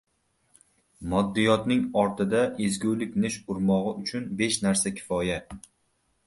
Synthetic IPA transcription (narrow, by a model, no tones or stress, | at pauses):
mɒd̪ːɪjɒt̪nɪŋɒɾt̪ʰɪd̪aʔezɡʲulɪkʲnɪʃʊɾmɒʁɨʊt͡ʃʰʊnbe̞ʃnaɾsakʲʰɪ̥fɒja